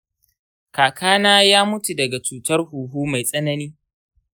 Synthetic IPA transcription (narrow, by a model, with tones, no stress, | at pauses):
kaː˨kʰaː˦naː˦jaː˦mʊ˦tu˨dɐ˨ɡa˨t͡ʃuː˨tɐ˦rhuː˨ɦuː˦ma˨jsʼɐ˦nɐ˦niː˦